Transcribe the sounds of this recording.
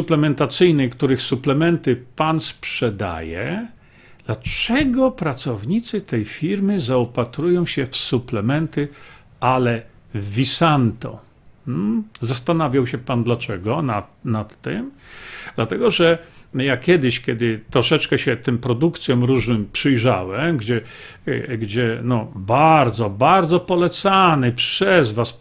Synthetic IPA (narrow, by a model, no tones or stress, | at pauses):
suplɛmɛnt̪at̪sɘjnɛjkt̪uɾɘxsuplɛmɛnt̪ɘpanspʂɛd̪a̰jɛ̰ | d̪̥lat͡ʂɛɡɔpɾat̪sɔvɲit̪sɘt̪ɛjfʲiɾmɘzaɔpat̪ɾujɔ̃w̃ɕɛfsuplɛmɛnt̪ɘ | alɛ | vʲisant̪ɔ̰ | zast̪anavʲjawɕɛpand̪lat͡ʂɛɡɔnanat̪ːɪmd̪̥lat̪ɛɡɔʐɛjakʲjɛd̪ɪɕkʲɛd̪ɘt̪ɾɔʂɛt͡ʂkɛɕɛt̪ɘmpɾɔd̪ukt̪sʲjɔmɾuʐnɘmpʂɘjʐawɛmɡd͡ʑɛ | ɡd͡ʑɛnɔbaɾd̪zɔbaɾd̪zɔpɔlɛt̪sanɘpʂɛzvas